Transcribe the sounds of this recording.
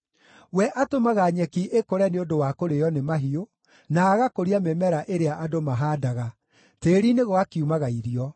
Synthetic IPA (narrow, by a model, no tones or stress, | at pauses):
wɛʔatomaɣaɲɛkiʔekoɾɛneodowakoɾejɔnemaɦio | naːɣakoɾiamemɛɾaʔeɾeaʔadomaɦaːdaɣa | teːɾineɣoakiumaɣaiɾiɔ